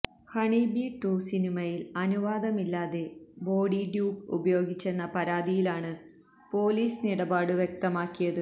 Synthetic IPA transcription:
hɐɳibiʈːuːsinimɐjilɐnuʋaːd̪ɐmilːaːðe̞bo̞ːɽiɖjuːpṵbɐjo̞ːɡit͡ɕːe̞nːɐpɐɾaːd̪ijilaːɳɨ | po̞ːliːsniɽɐbaːɽɨʋjek̚t̪ɐmaːkːijɐðɨ

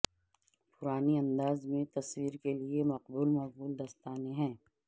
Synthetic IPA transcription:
pʊɾaːniɐ̃nd̪aːzmẽt̪ɐswiːɾkeliemɐqbuːlmɐq̚buːld̪ɐst̪aːneɦɛ̃ː

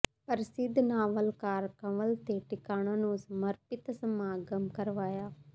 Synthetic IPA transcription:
pəɾsɪd̪ʱnaːʋəlkaːɾkaʋəlt̪eːʈɪkaːñãːnũːsəməɾpɪt̪səmaːɡəmkəɾʋaːjaː

